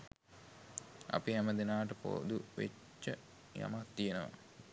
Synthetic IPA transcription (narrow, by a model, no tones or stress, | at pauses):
a̰piɦæməd̪enaːʈəpo̰ːd̪uʋḛt͡ʃːə | ja̰mat̪ːijenəʋa̰